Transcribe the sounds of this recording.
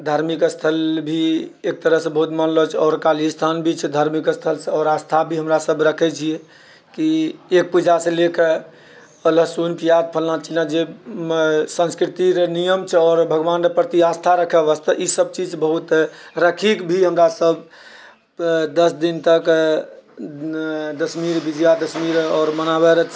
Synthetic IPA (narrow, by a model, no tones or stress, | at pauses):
d̪ʱaɾmikst̪ʰəlbʱiek̚t̪əɾəɦsẽbəɦut̪mənlɔt͡ʃʰɛɔɾkalist̪ʰanbʱit͡ʃʰɛd̪ʱaɾmikst̪ʰəlsẽɔɾast̪ʰabʱiɦəmɾasəbɾəkʰɛt͡ʃʰie | kiek̚pud͡ʒasẽlekʰe | ələsunpijad̪̚pʰəlnat͡ʃʰinad͡ʒe | sə̃nskɾit̪iɾnijəmt͡ʃʰɛɔːɾbʱəɡʋanɾəpɾət̪iast̪ʰaɾəkʰɛʋəst̪ʰəʔisəb̚t͡ʃid͡ʒbəɦut̪ɾəkʰikbʱiɦəmɾasəb | d̪əsd̪int̪ək | d̪əsmiɾbid͡ʒjad̪əsmiɾɔːɾmənabɛɾə